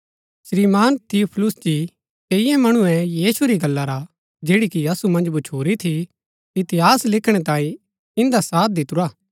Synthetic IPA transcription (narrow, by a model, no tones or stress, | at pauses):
sɾiːmaːnt̪ʰiupʰlʊsd͡ʒi | t̪eɪjɛ̃mɐɽ̃ʊ̃ɛ̃jiːsuɾiɡɐlːaɾa | d͡ʒeːɽikiɐsumɐ̃nd͡ʒbʊt͡ʃʰuːɾit̪ʰi | it̪ɪɦaːslɪkʰɽ̃ɛt̪ãːĩ | ɪ̃nd̪asaːt̪̚ʰd̪ɪt̪ʊɾaː